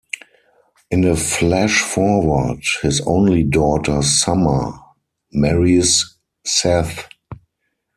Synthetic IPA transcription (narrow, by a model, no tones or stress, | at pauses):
ʔɪ̃nəflɛʃfɔwə˞dhɪsõ̰ʊ̃nlidɔtʰə˞samə˞ | mɛɹisː | ɛθ